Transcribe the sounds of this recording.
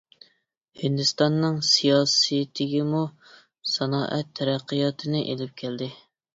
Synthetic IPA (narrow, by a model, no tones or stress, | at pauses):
hɪnd̪ɨst̪ɑnːɨŋsijɑːsɨt̪ʰɪɡʲɪmu | sɑnɑːʔɛt̪ʰːɛɾæqʰːijɑt̪ʰɨnɪʔelɪp̚kʲʰæld̪ɪ